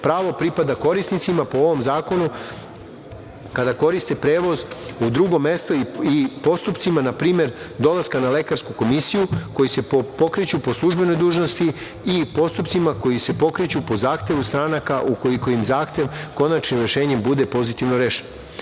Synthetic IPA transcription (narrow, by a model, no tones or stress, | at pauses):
pɾaːʋo̞pɾipad̪ako̞ɾisnit̪simapooʋo̞mzaːko̞nu | kad̪ako̞ɾist̪e̞pɾe̞ːʋo̞zud̪ɾuɡo̞me̞st̪oiipo̞st̪upt̪simanapɾiːme̞ɾ | d̪o̞laskanale̞kaɾskuko̞misijuko̞jise̞po̞kɾit͡ɕupo̞slˠuʒbe̞no̞jd̪uːʒno̞st̪iː | po̞st̪upt̪simako̞jise̞po̞kɾit͡ɕupo̞zaːxt̪ʲe̞ʋust̪ɾaːnakaʔuko̞liko̞imzaːxt̪ʲje̞ʋko̞nat͡ʃnimɾeʃe̞ːɲembud̪e̞po̞zit̪iʋnoɾeːʃen